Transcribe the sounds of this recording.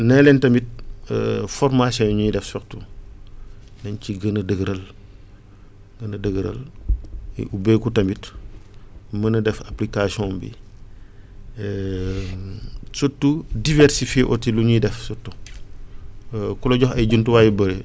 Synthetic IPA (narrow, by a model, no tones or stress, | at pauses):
nɛlɛntɐmit̚ | fɔɾmasɔnuɲujidɛfsɔktu | nɐnciɡənədəɡəɾɐl | ɡənədəɡəɾɐ̰l | ʔubejkutɐmit | mənɐdɛfaplikasiɔ̃mbḭ | sɔtːudivɛɾsifjeʔɔ̰tiluɲujidɛfsutːu | kulɔɟɔxɐjɟuntuwaːjibəɾe